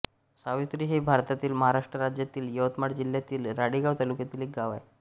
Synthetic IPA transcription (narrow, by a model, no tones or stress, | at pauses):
saʋit̪ɾiːɦebʱaɾt̪at̪iːlməɦaɾaʂʈɾəɾad͡ʑjat̪iːljəʋət̪maɽd͡ʑiljat̪iːlɾaɽiɡaʋt̪alukjat̪iːlek̚ɡaʋa̰j